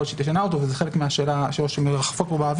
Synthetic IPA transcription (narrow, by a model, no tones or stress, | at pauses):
oʃet̪iʃanaot̪ovezexe̞lekmeaʃe̞ːlaʃoʃemeʁaχfokbobaːv